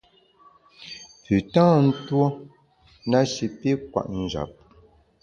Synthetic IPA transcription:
pʉ˨tãː˦n̩˦two˦ | na˦ʃi˨pe˦k̚wa̰˨ʔn̩˨d͡ʒa̰˨p̚

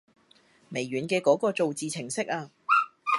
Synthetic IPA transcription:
me˨˩jɥyː˨˩˦nkɛː˧kɔː˨˥kɔː˧t͡so˨wt͡siː˨t͡sʰɪ˨˩ŋsɪ˥k̚aː˧

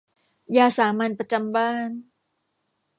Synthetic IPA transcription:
jaː˧saː˩˦ma˧npɾa˧t͡ɕa˧mbaː˥˩n

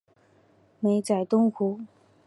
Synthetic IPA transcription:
me˧˥ɪt͡sa˨˩ɪt̪ʊ˥ŋxʰu˧˥

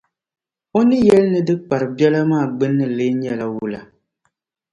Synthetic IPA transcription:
o˦nɨ˦jɛ˦lnɨ˨dɨ˦k͡pa˨ɾɨ˨bɛ˦la˦maː˦˨ɡ͡bɨ˦nːɨ˨le˦ɲɛ˦˨la˨wu˨la˨

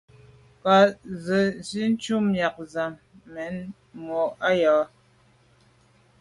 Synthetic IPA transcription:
ka˨˦zə˨si˦n̩˦t͡ʃu˦mmja˨k̚za˨mː | ɛ˨˦n | mɔ˨ʔa˦jɔː˨˦

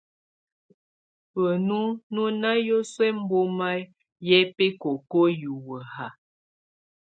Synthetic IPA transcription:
wə˨nu˦nu˦na˦jo˦swɛ˦m̩˦bo˦ma˦ | jɛ˦pe˦ko˨ko˦ju˨wə˨a˨

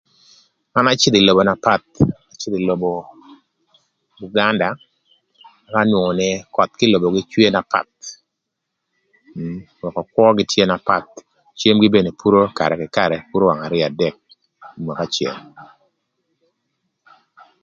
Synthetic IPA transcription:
a˦na˦t͡ʃɪ˦li˨lo˨bo˨na˨pa˦˨t̪̚a˨t͡ʃɪ˦li˨lo˨bo˨ | ɡu˦ɡa˦nda˨ | ma˦ka˦nwo˨ŋɔ˨nɛ˨kɔ˨t̪̚kɪ˦lo˨bo˨ɡɪ˦t͡ʃwe˦na˨pa̰˦˨t̪̚ | wɛ˨kɔ˨kwɔ˦ɡɪ˦tje˦na˨pa˦˨t̪̚ | t͡ʃe˦mɡɪ˦be˦˨ne˨pu˦ɾo˦ka̰˨ɾɛ˨kɪ˨ka˦ɾɛ˨pu˦ɾo˦wa˨ŋa˨ɾɪ˦a˨dɛ˦k̚ | i˨mwa˨ka˦t͡ʃjḛ˨m

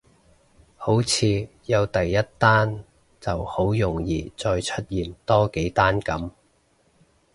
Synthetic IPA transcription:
ho˨˥wt͡sʰiː˨˧jɐ˨˧wt̪ɐ˨jːɐ˥t̚t̪aː˥n | t͡sɐ˨˩who˨˥wjʊ˨˩ŋjiː˨t͡sɔː˧jt͡ʃʰɵ˥t̚jiː˨˩nt̪ɔː˥ke˨˥jt̪aː˥nkɐ˨˥m

